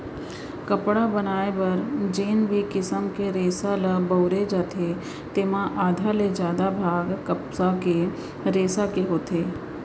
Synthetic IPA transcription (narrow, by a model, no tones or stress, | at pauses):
kɐpɽabɐnaːebɐɾd͡ʒeːnbʱikɪsəmkeɾeːsaləbəʊɾed͡ʒaːt̪ʰe | t̪eːmãʔaːd̪ʱaled͡ʒjaːd̪abʱaːɡkɐpsake | ɾeːsakeɦoːt̪ʰeː